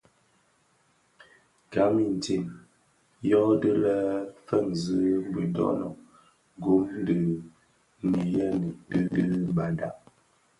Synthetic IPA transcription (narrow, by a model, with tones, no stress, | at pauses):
ka˨˦mi˨n˨ti˨n | jɔ˦də˦lə˦fə˦˨ŋzə˦m˦bə˨dɔ̰˦nɔ˨ | ɡo˦mn˦də˨ | ni˨jɛ˦nə˨tɨ˦də˦ba˨da˦